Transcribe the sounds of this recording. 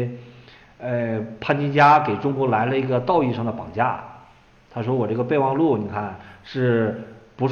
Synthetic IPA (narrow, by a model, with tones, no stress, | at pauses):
ə˥˧pʰa˥˩nt͡ɕi˥nt͡ɕja˥ke˨˩ɪʈ͡ʂʊ˥ŋkwɔ˧˥la˧˥ɪlə˧i˧˥ɡə˧t̪ɑ˥˧ʊi˥˧ʂɑ˥˩ŋd̪ə˩pɑ̰˨˩ŋt͡ɕja̰˥˩ | t̪ʰa˥ʂwɔ˥wɔ˨˩ʈ͡ʂɤ˥˩ɡə˧pe˥˧ɪwɑ˥˧ŋlu˥˩ni˨˩kʰa˥˩nʂɻ̩˥˩pu˧˥ʂ